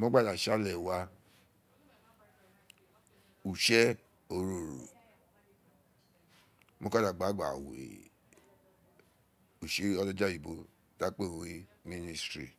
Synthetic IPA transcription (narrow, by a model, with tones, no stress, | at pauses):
mo˦ɡ͡ba˦da˨ʃa˦˨lɛ˨wa˧ | u˨ʃɛ˦ | o˨ɾo˨ɾ̰o̰˨ | mo˦ka˦da˨ɡ͡ba˨˦ɡ͡ba̰˨wḛ˨ | u˨ʃe˦ɔ˦lɔ˦d͡ʒa˦ji˨bo˧˨ | da˨˦k͡pe˦˨we˦ | mi˦ni˧stɾi˨